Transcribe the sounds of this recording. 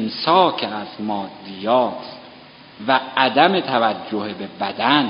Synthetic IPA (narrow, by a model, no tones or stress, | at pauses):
msɒːcʰeæzmɒːd̪ːijɒːt̪ʰ | væːd̪æme̞t̪ʰævæd͡ʒːohebe̞bæd̪æn